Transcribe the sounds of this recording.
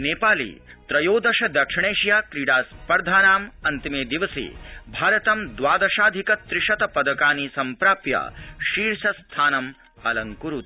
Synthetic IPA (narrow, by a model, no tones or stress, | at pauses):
neːpaːlḭːt̪ɾɐjoːd̪ɐʃɐd̪ɐkʂiɳeːʃjaːkɾiɽaːspɐɾd̪ʱaːnaːmɐnt̪imeːd̪iʋɐsḭːbʱaːɾɐt̪ɐmd̪ʋaːd̪ɐʃaːd̪ʱikɐt̪ɾɪʂɐt̪ɐpɐd̪ɐkaːniːsɐmpɾaːpja̰ʃiːɾʃɐst̪ʰaːnɐm | ɐlɐŋkuɾut̪